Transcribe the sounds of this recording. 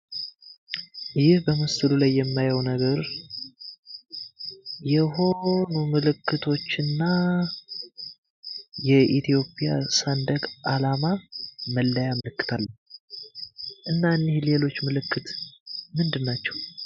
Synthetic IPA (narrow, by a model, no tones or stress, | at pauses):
jɪhbəmɨst̪ʰɨlulajːɛmːajəwnəɡəɾ | jɛho̞numɨlɨkːɨt̪ʰo̞t͡ʃːɨnːa | jɛʔit̪ʰijo̞pʰʼija̰sand̪əkʼʔalamaməlːəjamɨlɨkːɨ̥t̪ʰalːəɲ | ʔɨnːanːihle̞lo̞t͡ʃːmɨlɨkʰːɨt̪mɨnd̪ɨnːat͡ʃːɛw